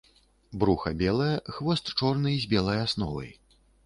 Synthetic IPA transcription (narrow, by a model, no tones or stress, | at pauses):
bɾuxɐ̰bʲɛlˠɐjɐxvɔst̪t͡ʂɔrnɨzʲbʲɛlˠɐjasn̪ɔvɐ̰j